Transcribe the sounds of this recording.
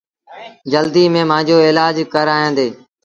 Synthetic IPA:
d͡ʒəld̪iːmẽːmãːɲd͡ʒoːɪːlaːd͡ʒkəɾaːjãːnd̪eː

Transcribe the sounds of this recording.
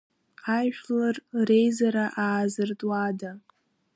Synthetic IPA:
ajʃᶣlarrejzaɾaʔaːzɨrtʼwada

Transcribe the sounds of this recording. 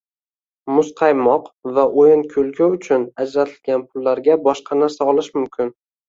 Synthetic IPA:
mʊsqʰɑjmɒqvaʔojɪnkʲʰɵlˠkʲʰʊwʊt͡ʃʰʊnad͡ʒɾat̪ʰɪlɡʲanpʰʊlːaɾɡʲabɒʃqʰɑnaɾsaɒlˠɪʃmʊmkʲʰɪn

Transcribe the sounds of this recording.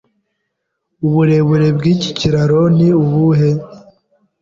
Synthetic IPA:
uβuɾe̞βuɾe̞bɡiːci̥ciɾaɾoniuβuɦe

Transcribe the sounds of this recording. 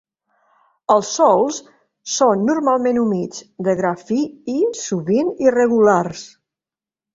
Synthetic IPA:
əlˠsːɔlˠs | sonːuɾmalˠmenumit͡sd̪əɣɾafiːsuβinirəɣulars

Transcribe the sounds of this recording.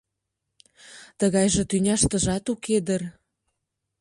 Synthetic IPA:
t̪əɣɑjʒĕt̪ynʲɑʃt̪ə̆ʒɑt̪uked̪ər

